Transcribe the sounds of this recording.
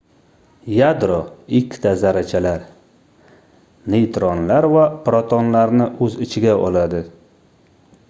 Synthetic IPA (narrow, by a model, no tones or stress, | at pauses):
jad̪ɾɔɪkʲʰːt̪ʰazaɾat͡ʃʰalaɾ | nejt̪ʰɾɒnlaɾvapɾɒt̪ʰɒnlaɾnɪʔɵzɪt͡ʃʰɪɡʲaʔɒlad̪ɪ